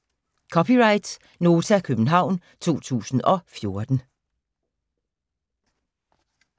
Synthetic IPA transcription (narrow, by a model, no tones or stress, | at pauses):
kʰɒ̽pʰiʁɑ̈ɪd̥s | no̝ːt͡sʰækʰøb̥n̩ɦɑ̈ʊ̰n | t͡sʰo̝̰ːt͡sʰṵːsn̩ɒ̽fjo̝ɐd̥n̩